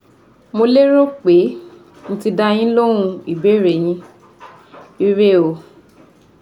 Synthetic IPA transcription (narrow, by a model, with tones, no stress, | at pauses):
mo˧le˦ɾo˦k͡pe˨˦ | ñ̩˦ti˧da˧j̃ĩ˦lo˦ɾ̃ũ˧i˨be˨˦ɾe˨j̃ĩ˧˦ | i˦ɾe˦˨o˧˨